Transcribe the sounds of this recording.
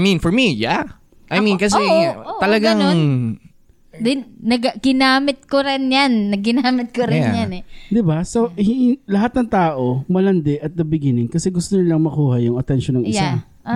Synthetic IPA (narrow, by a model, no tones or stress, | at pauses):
mĩnfɔɹmija | ʔajmĩnkɐs̬ɛot̪ɐlɐɡaŋo | d̪ɪnnɐɡɡɪnaːmɪt̪̚koɾɪnjanːɐɡːɪnaːmɪt̪̚koɾɪnjanɛd̪ɪbasohɪlɐɦat̪̚nɐŋt̪aːʔo̞mɐlɐnd̪ɪʔɐt̪̚d̪ɐbɪɡɪnɪŋkɐsɛɡʊst̪onɪnlɐŋmɐkuːhɐjʊŋɐt̪ɛnʃonːɐŋɪjsa